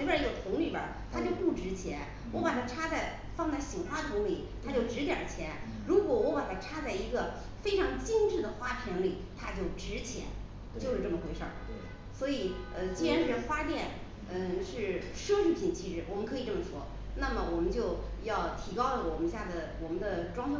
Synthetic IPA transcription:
i˧˥ɡə˧t̪ʰʊ˧˥ŋli˨˩bjə̰˞˨˩t̪ʰa˥t͡ɕjo˥˧ʊpu˥˩ʈ͡ʂɻ̩˧˥t͡ɕʰjɛ˧˥n | wɔ˧˥pa˨˩t̪ʰa˥ʈ͡ʂʰa˥t͡sa˥˩ɪ | fɑ˥˧ŋt͡sa˥˩ɪɕi˨˩ŋxwa˥t̪ʰʊ˧˥ŋli˨˩˦t̪ʰa˥t͡ɕjo˥˩ʊʈ͡ʂɻ̩˧˥t̪jɐ̰˨˩t͡ɕʰjɛ˧˥n | ɻu˧˥kwɔ˨˧˥wɔ˧˥pa˨˩t̪ʰa˥ʈ͡ʂʰa˥t͡sa˥˩ɪi˧˥ɡə˧ | fe˥ɪʈ͡ʂʰɑ˧˥ŋt͡ɕi˥nʈ͡ʂɻ̩˥˩d̪ə˩xwa˥pʰjɛ˧˥nli˨˩t̪ʰa˥t͡ɕjo˥˩ʊʈ͡ʂɻ̩˧˥t͡ɕʰjɛ̰˧˥n | t͡ɕjo˥˧ʊʂɻ̩˥˧ʈ͡ʂɤ˥˩mə˩xwe˧˥ɪʂə̰˥˩˧ | swɔ˧˥i˨˩˦ə˥˧t͡ɕɛ˧˥ɻ̩˥˩ɻə˧˥nxwa˥t̪jɛ˥˧˩n | ə˥˧ʂɻ̩˥˩ʂɤ˥ʂɻ̩˥˩pʰi˨˩nt͡ɕʰi˧˥ʂɻ̩˧˥wɔ˨˩mə˦nkʰɤ˧˥i˨˩ʈ͡ʂɤ˥˩mə˩t͡sʰwɔ˥ | na˥˩mə˩wɔ˨˩mə˦nt͡ɕjo˥˧ʊjɑ˥˩ʊt̪ʰi˧˥kɑ˥ʊlə˨˩wɔ˨˩mə˦nɕja˥˩d̪ə˩wɔ˨˩mə˦nd̪ə˧ʈ͡ʂwɑ˥ŋ˥

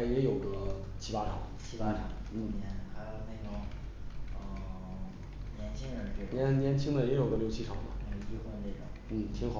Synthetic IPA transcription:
jɛ˧˥jo˨˩ʊɡə˦t͡ɕʰi˥pa˥ʈ͡ʂʰɑ˨˩˦ŋt͡ɕʰi˥pa˥ʈ͡ʂʰɑ̰˨˩ŋn̩˥˩nɛ˧˥nxa˧˥ɪjo˨˧˩ʊne˥˩ɪʈ͡ʂʊ˨˩˦ŋ | ə˧ | njɛ˧˥nt͡ɕʰi˥ŋə˧˩ʈ͡ʂnjɛ˧˥nnjɛ˧˥nt͡ɕʰi˥ŋd̪ə˨jɛ˧˥jo˨˩ʊɡə˦ljo˥˧ʊt͡ɕʰi˥ʈ͡ʂʰɑ̰˨˩ŋd̪ə̰˦n˥˧i˥˧xwə˥˧ne˥˩ʈ͡ʂʊ̰˨˩˦n̩˥˩t̪ʰi˧˥ŋxɑ˨˩˦

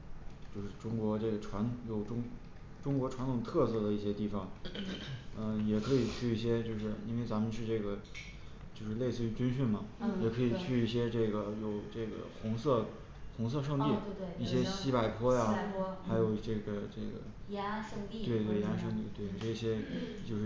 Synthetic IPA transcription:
t͡ɕjo˥˧ʊʂɻ̩˥˩ʈ͡ʂʊ˥ŋkwɔ˧˥ʈ͡ʂɤ˥˩ɡə˩ʈ͡ʂʰwa˧˥nt̪ʰŋjo˨˩ʊʈ͡ʂʊ˥ŋ | ʈ͡ʂʊ˥ŋkwɔ˧˥ʈ͡ʂʰwa˧˥nt̪ʰʊ˨˩ŋt̪ʰɤ˥˧sɤ˥˩d̪ə˩i˥˩ɕjɛ˥t̪i˥˩fɑ˨˩˦ŋ | ə˧jɛ˨˩kʰɤ˧˥i˨˩t͡ɕʰy˥˩i˥˩ɕjɛ˥t͡ɕjo˥˧ʊʂ̬ɻ̩˥˩ḭ˥nwe˥˧ɪt͡sa˧˥mə˧nʂʰɻ̩˥˧ʈ͡ʂɤ˥˩ɡə˩ | t͡ɕjo˥˧ʊʂɻ̩˥˧le˥˧ɪsɹ̩˥˧t͡ɕy˥˩t͡ɕy˥nɕy˥˩nmɐ˩jɛ˨˩kʰɤ˧˥i˨˩t͡ɕʰy˥˧i˥˩ɕjɛ˥ʈ͡ʂɤ˥˩ɡə˩jo˨˩ʊʈ͡ʂɤ˥˩ɡə̰˩xʊ˧˥ŋsɤ˥˩ | xʊ˧˥ŋs̬ɤ˥˧ʂ̬ɤ˥˧ŋt̪i˥˩˥i˥˩ɕjɛ˥ɕi˥pa˨˩ɪpʰwɔ˥ja˧˥xa˧˥ɪjo˨˩ʊ˩ʈ͡ʂɤ˥˩ɡə˩ʈ͡ʂɤ˥˩ɡə̰˩˥˧ | we˥˧ɪt̪we˥˩ɪja˧˥ʂɤ˥˧ŋt̪i˥˩t̪we˥˩ɪʈ͡ʂɤ˥˩ɕjɛ˥t͡ɕjo˥˧ʊʂɻ̩˥˩

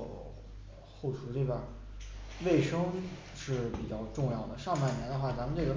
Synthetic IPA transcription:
xo˥˩ʊʈ͡ʂʰu˧˥li˥˩ba˨˩ | we˥˩ɪʂɤ˥ŋ | ʂɻ̩˥˩pi˨˩t͡ɕjɑ˥˧ʊʈ͡ʂʊ˥˧ŋjɑ˥˩ʊd̪ə˩ʂɑ˥˧ŋpa˥˩ɪnjɛ˧˥nd̪ə˧xwa˥˩t͡sa˧˥mə˧nʈ͡ʂɤ˥˩ɡə˩

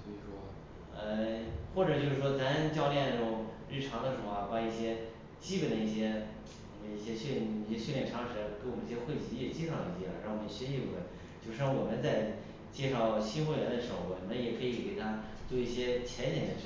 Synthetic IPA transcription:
si˧˩ʂwɔ˥ | ə˧xwɔ˥˩ʈ͡ʂɤ˨˩t͡ɕjo˥˧ʊʂɻ̩˥˩ʂwɔ˥t͡sa˧˥nt͡ɕjɑ˥˧ʊljɛ˥˧n˧˩ʈ͡ʂʊ˧˨˧ŋɻɻ̩˥˩ʈ͡ʂʰɑ˧˥ŋd̪ə˧ʂɻ̩˧˥˩a˧˩pa˥i˥˩ɕjɛ˥ | t͡ɕi˥pə˨˩nd̪ə˧i˥˩ɕjɛ˥ | i˧˥we˧i˥˩ɕjɛ˥ɕɛ˥˩˧i˥˩ɕɛ˥ɕɥɛ˥˧ljɛ˥˩nʈ͡ʂʰɑ˧˥ŋʂɻ̩˧˥˧ke˧˥ɪwmə˦˥i˥˩ɕjɛ˥xwe˥˩ɪt͡ɕi˧˥˩ɛ˥˨˩t͡ɕjɛ˥˧ʂɑ˥˩d̪ə˧˩˥t͡ɕḭ˧˥˩ɻɑ˥˩ŋwɔ˨˩˧ə˩n˧ɕɛ˥nɕi˥˧˩xwe˥˩ɪ | t͡ɕjo˥˧ʊʂ̩˥ŋwɔ˨˩mə˦nt͡sa˥˧ɪ | t͡ɕjɛ˥˧ʂɑ˥˩ʊɕi˥nxwe˥˩ɪɥɛ˧˥nd̪ə˧ʂɻ̩˧˥xo˥˩wɔ˨˩˦ə˥njɛ˨˩kʰɤ˧˥i˨˧˥ke˨˩ɪt̪ʰa˥t͡swɔ˥˧i˥˩ɕjɛ˥t͡ɕʰjɛ˧˥nɕɛ˨˩nd̪ə˧˥

